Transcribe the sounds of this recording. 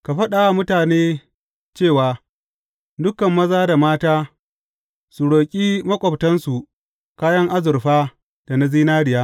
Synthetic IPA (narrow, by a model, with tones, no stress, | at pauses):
ka˨ɸɐ˦ɗa˨a˨mʊ˦taː˨neː˦ | t͡ʃeː˦˨waː˨ | dʊ˦kɐ˨mːɐ˦zaː˦da˨maː˦taː˦ | su˨ɽoː˨kʲʼiː˦mɐ˦kʷʼɔ˨ptɐ˦nsu˨ | kaː˦jɐ˦ŋʔa˦zʊ˨ɾɸaː˦ | d̥a˨na˦ziː˦naː˦ɽɪ˨jaː˦